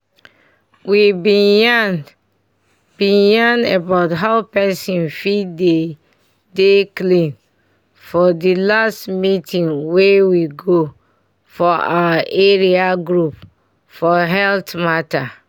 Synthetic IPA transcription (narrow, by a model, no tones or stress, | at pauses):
wibĩnjan | b̥ĩjãnɛbaʊtɦaʊpɛsĩnfide | deklĩn | fɔdilastmitʰĩŋwewiɡo | fɔʔaaʔeɹiaɡɹup | fɔɦɛltmata